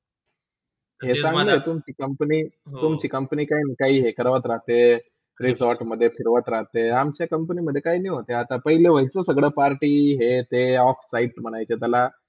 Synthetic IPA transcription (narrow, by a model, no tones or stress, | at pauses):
ɦesãŋɡləet̪umt͡ɕiːkəmpniːt̪umt͡ɕiːkəmpəniːkaɦinikaɦiːɦekəɾʋət̪ɾaɦt̪e | ɾisɔɾʈməd̪ʱːjefiɾʋət̪ɾaɦt̪eamt͡ɕjakəmpəniməd̪ʱːjekaɦiːniɦot̪eat̪apəɦileʋəɦit͡səsəɡɭəpaɾʈiːɦet̪eɔfsaiːʈm̤əɽ̃ajt͡ɕet̪jala